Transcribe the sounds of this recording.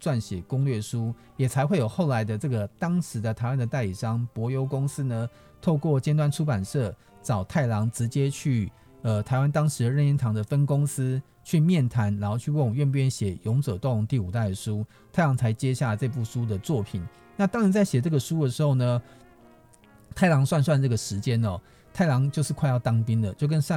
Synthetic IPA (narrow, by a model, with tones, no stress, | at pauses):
t͡swa˥˩nɕjɛ˨˩kʊ˥ŋlɥɛ˥˩ʂu˥ | jɛ˨˩t͡sʰa˧˥ɪxwe˥˩ɪjo˨˩ʊxo˥˩ʊla˧˦ɪd̪ə˧ʈ͡ʂɤ˥˩ɡə˩t̪ɑ˥ŋʂɻ̩˨˧˥d̪ə˧t̪ʰa˧˥ɪwa˦nd̪ə˨t̪a˥˩ɪi˨˩ʂɑ˥ŋpwɔ˧˥jo˧˥ʊkʊ˥ŋs̩˥nə˨ | t̪ʰo˥˧ʊkwɔ˥˨t͡ɕjɛ˥nt̪wa˥nʈ͡ʂʰu˥pa˨˩nʂɤ˥˩ | t͡sɑ˨˩ʊt̪ʰa˥˩ɪlɑ˧˥ŋʈ͡ʂɻ̩˧˥t͡ɕjɛ˥t͡ɕʰy˥˩ | ə˨t̪ʰa˧˥ɪwa˦nt̪ɑ˥ŋʂɻ̩˧˥d̪ə˨ɻə˥˧ni˥˩nt̪ʰɑ˧˥ŋd̪ə˨fə˥nkʊ˥ŋs̩˥ | t͡ɕʰy˥˧mjɛ˥˩nt̪ʰa˧˥nɻa˧˦nxo˥˧ʊt͡ɕʰy˥˧wŋ˨˦ɥɛ˥˧np̬u˥˩jɛ˥nɕjɛ˨˩jʊ˧˥ŋʈ͡ʂə˨˩t̪o˥˩ŋlo˧˥ŋt̪i˥˩u˨˩t̪a˥˩ɪd̪ə˩ʂu˥ | t̪ʰa˥˩ɪlɑ˧˥ŋt͡sʰa˧˥ɪt͡ɕjɛ˦ɕja˥˩t͡se˥˧p̬u˥˩ʂu˥d̪ə˨t͡swɔ˥˨˩pʰi˨˩˦n | na˥˩t̪ɑ˥ŋɻa˨˧nt͡sa˥˩ɪɕjɛ˨˩t͡sɤ˥˩ɡə˩ʂu˥d̪ə˩ʂɻ̩˧˥xo˥˩ʊnə˩ | t̪ʰa˥˩ɪlɑ˧˥ŋswa˥˧nswa˥˧nnə˥˩ɡə˩ʂɻ̩˧˦t͡ɕjɛ˦˥nɔ˨ | t̪ʰa˥˩ɪlɑ˧˥ŋt͡ɕjo˥˧ʊʂɻ̩˥˧kʰwa˥˧ɪjɑ˥˩ʊt̪ɑ˥ŋpi˦nd̪ə˨t͡ɕjo˥˩ʊk̬ə˦n˥